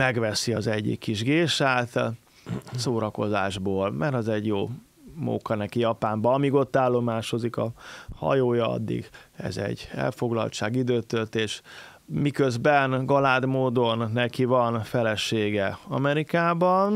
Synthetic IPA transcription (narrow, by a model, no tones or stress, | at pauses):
mɛɡʋɛsiɒzɛɟːḭkːiʒɡeːʃaːt̪ | soːɾɒko̞zaːʒboːlmɛɾɒzɛɟjoː | mo̰kɒnɛkijɒpaːmbɒɒmiɡo̞t̪ːaːlːo̞maːʃozikɒ̰hɒ̰joːjɒɒ̰d̪ːḭɡɛ̰zɛ̰ɟːɛ̰lfo̞ɡlɒ̰lt͡ʃaːɡid̪øːt̪ølt̪eːʃ | mikøzbɛnɡɒlaːd̪moːd̪o̞nːɛkivɒnfɛlɛʃeːɡɛɒ̰mɛɾikaːbɒn